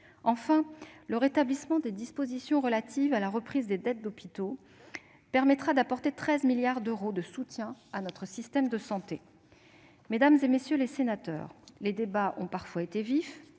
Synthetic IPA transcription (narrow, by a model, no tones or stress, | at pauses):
ɑ̃fɛ̃ləʁet̪ablismɑ̃d̪ed̪ispozisjɔ̃ʁəlat̪ʰivalaʁəpχizd̪ed̪ɛt̪̚d̪ɔpi̥t̪o | pɛʁmɛt̪χad̪apɔʁt̪et̪χɛzmiljaʁd̪øʁod̪əsut̪jɛ̃anɔt̪χəsist̪ɛmd̪əsɑ̃t̪e | med̪amzemesjølesenat̪œ̰ːʁled̪ebaʔɔ̃paʁfwaet̪evif